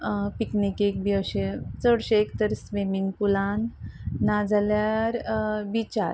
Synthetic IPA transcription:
piknikek̚biəɕet͡səɽɕeekt̪əɾsʋimiŋɡpulanːad͡zaljaɾbit͡ɕa̰ɾ

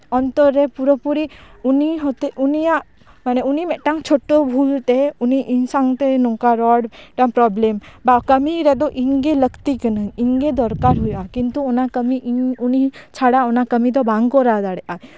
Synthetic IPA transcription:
ɔnt̪ɔɾːɛpuɾəpuɾiuniɦɔt̪eʔunijaʔ | manɛunimɛʔʈaŋt͡ʃʰoʈːɔbʱult̪ɛuniʔinsaŋt̪ɛnɔŋkaɾɔɽʈaŋpɾɔblɛmbakəmiɾɛd̪ɔʔinɡɛləkt̪ikənəɲiɲɡɛd̪ɔɾkaɾɦujʔakint̪uɔnakəmiʔiunit͡ʃʰaɽaɔnakəmid̪ɔbaŋɡkɔɾad̪aɽɛʔa

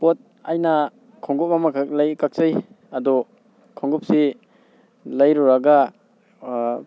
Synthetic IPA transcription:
pot̚ | ajna | kʰɔŋɡup̚mamalajkak̚saj | ɐdɔ | kʰɔŋɡup̚si | lajɾuɾaɡa

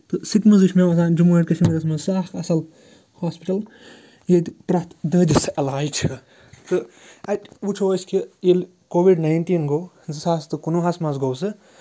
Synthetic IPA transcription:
t̪ɨsit̪mɐzɨʃʰmʲemɐs̬ãːnd͡ʒumuɐʈʲkɐʃimiɾɐsmɐzsaːkɐsɐl | haːspiʈɐl | jet̪pɾɐt̪d̪əːd̪ʲisɐlaːjit͡ʃʰi | t̪ɨɐtʲut͡ʃʰosʲkijelʲ | koːʋiɖnajnt̪iːnɡoː | zɨsaːst̪ɨkunuɦɐsmɐzɡowsɨ

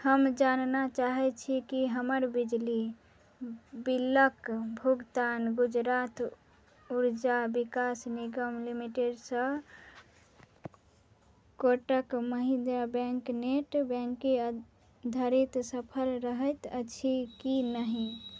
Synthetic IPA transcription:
həmd͡ʒannat͡ʃaɦɛt͡ʃʰikiɦəməɾbid͡ʒli | biləkbʱuɡt̪anɡud͡ʒɾat̪ | uɾd͡ʒabikasniɡəmlimiʈeɖsə | koʈəkməɦĩd̪abɛ̃ŋkneʈbɛ̃ŋkːe | d̪ʱəɾit̪səpʰəlɾəɦət̪ət͡ʃʰikinəɦi

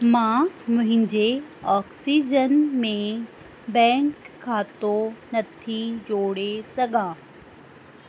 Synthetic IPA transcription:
mãːmʊɦɪ̃ɲd͡ʒeɔːksiːd͡ʒənmẽ | bɛ̃ːŋkʰːaːt̪õnɐt̪ʰid͡ʒoːɽesɐɡãː

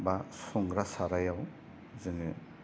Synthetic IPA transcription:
basɔŋɡɾasaɾajaw | zɯŋɯ

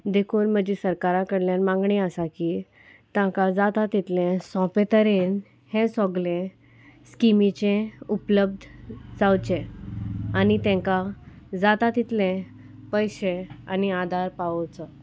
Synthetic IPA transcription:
d̪ekʰuːnm̤əd͡ʑisəɾkaɾãkəɽljãnmãŋɡɳiəsakiː | t̪ãkad͡zat̪at̪it̪lẽsɔ̃pet̪əɾen | hɛ̃sɔ̃ɡlẽ | skimit͡ɕẽupləb̚d̪ʱd͡zawt͡ɕẽ | anit̪ɛ̃kad͡zat̪at̪it̪lẽ | pəjɕea̰niad̪ʱaɾpaʋət͡sə

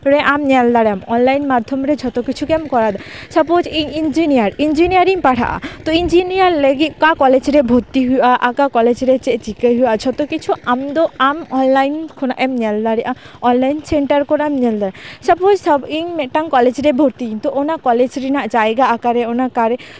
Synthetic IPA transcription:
ɾɛʔamɲɛld̪aɽamɔnlajnmad̪ʱːɔmɾɛd͡ʒʰʱɔt̪okit͡ʃʰukɛmkɔɾad̪asapod͡ʒiŋind͡ʒinijaɾind͡ʒinijaɾiŋpaʈʰa̰ʔa̰t̪ɔind͡ʒinijaɾleɡit̪̚kakɔled͡ʒɾɛbʱot̪iɦujʔaʔakakɔled͡ʒɾɛt͡ʃɛʔt͡ʃikəɦujad͡ʒʰɔt̪okit͡ʃʰuamd̪ɔamɔnlajnkʰɔnaʔɛmɲɛld̪aɽiʔa | ɔnlajnseɳʈaɾkɔɾamɲɛld̪aɾasapod͡ʒsɔbiŋmɛʈaŋkɔled͡ʒɾɛbʱoɾt̪it̪ɔʔonakɔled͡ʒɾinaʔd͡ʒajɡaakaɾɛɔnakaɾɛ

